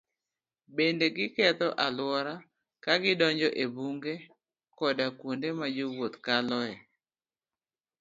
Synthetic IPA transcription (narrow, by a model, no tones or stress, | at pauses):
bendeɡɪkɛt̪ɔʔalwɔɾa | kaɡɪdɔɲd͡ʒɔʔebuŋɡe | kɔdakwondemad͡ʒowot̪kalɔɛ